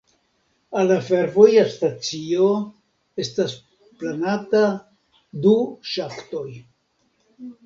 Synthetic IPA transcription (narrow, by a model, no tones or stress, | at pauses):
alafe̞ɾvo̞jastat͡sio̞ | e̞stas | planata | duʃafto̞j